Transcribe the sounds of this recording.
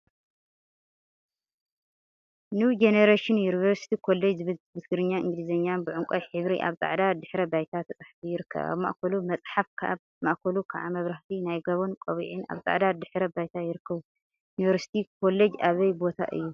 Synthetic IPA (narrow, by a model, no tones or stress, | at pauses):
nud͡ʒeneɾaʃɪnjunivɐɾsi̥t̪ʰikʰo̞lːed͡ʒzɨβɨlbɨt̪ɡɨɾɨɲːaʔɨŋɡɨlizɐɲːanbɨʕʊŋkʷʼɐjħɨβɾḭʔa̰βt̪ʼa̰ʕd̪ad̪ɨħɾɐbajt̪ʰat̪ʰɐt͡sʼaħfijɪɾɨkʰːɐ̰βa̰βma̰ʔkʰɐlumɐt͡sʼħafkʰa | maʔkʰɐlukʰaʕamɐβɾaht̪ʰinajɡɐβonkʼɐβiʕina̰βt̪ʼa̰ʕd̪ad̪ɨħɾɐbajt̪ʰajɪɾɨkʰːɐβu | junivɐɾsi̥t̪ʰikʰo̞lːed͡ʒaβɐjbo̞t̪ʰa̰ʔɨ̰jːu